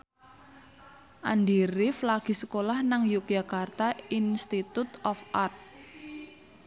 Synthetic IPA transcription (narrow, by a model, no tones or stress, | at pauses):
ʔanɖiɾiflaɡ̥i̤səkolahnaŋjuk̚d͡ʒa̤kart̪ainst̪it̪ut̪ɔfart̪̚